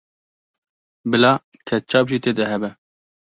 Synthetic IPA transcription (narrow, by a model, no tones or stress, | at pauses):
bɨlɑː | t̪ʰɛt͡ʃʰɑːbʒiːt̪ʰeːd̪ɛɦɛbɛ